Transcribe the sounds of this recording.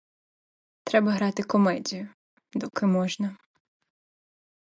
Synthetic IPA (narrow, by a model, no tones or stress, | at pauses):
t̪ɾɛbɐɦɾɑt̪ɪkɔmɛdʲijʊ | d̪ɔkɪmɔʒnɐ